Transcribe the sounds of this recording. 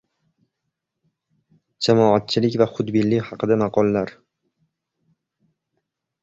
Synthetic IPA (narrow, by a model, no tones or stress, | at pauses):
d͡ʒamɒat̪̚t͡ʃʰɪlɪkʲvaχʊd̪bɪlːɪhɑqʰɨd̪amɑqʰɒlˠːaɾ